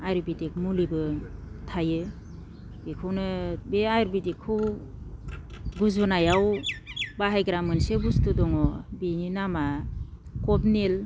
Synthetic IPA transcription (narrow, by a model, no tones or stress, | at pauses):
ajɾbidik̚mulibɯtʰajɯ | bikʰɯwnɯbeajɾbidikʰːɯw | ɡuzɯnajawbaɦajɡɾamɯnsebustudɔŋɔbininama | kɔp̚nel